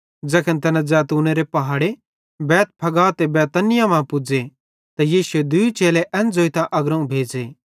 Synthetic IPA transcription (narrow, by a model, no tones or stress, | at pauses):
d͡zɐkʰənt̪ɐnãd͡ʒaːt̪uːneɾepɐɦaːɽe | bɛːt̪̚pʰɐɡaːt̪ebɛːt̪ɐnɪjamãːpʊd͡ʒe | t̪ajiːsued̪ʊit͡ʃeːleʔɛ̃nd͡zoːit̪ãʔɐɡɾɐũbʱeːd͡zeː